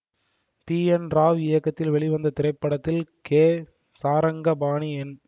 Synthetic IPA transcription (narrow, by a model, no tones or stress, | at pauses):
piːɛnɾaːʋɪjɐkːɐt̪ːɪlʋɛɭɪʋɐnd̪ɐt̪ɪɾɐɪpːɐɽɐt̪ːɪlkeː | saːɾɐŋɡɐbaːɳiɛn